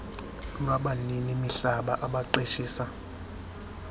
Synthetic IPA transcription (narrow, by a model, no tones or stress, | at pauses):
naɓaninimiɬaɓa̰ʔaɓaǃeʃiːsa